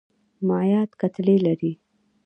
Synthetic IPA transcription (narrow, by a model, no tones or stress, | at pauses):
majɑt̪kat̪lelaɾi